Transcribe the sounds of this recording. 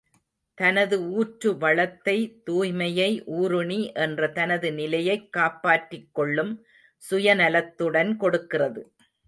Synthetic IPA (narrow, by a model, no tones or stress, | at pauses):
t̪ɐnɐðɯuːʈɾɯʋɐɭɐt̪ːɐɪt̪uːjmɐjɐɪʔuːɾɯɳiʔɛndrɐt̪ɐnɐðɯnɪlɐjɐɪkːaːpːaːʈrɪkːɔɭːɯm | sʊjɐnɐlɐt̪ːɯɽɐnkɔɽɯkːɪrɐðɯ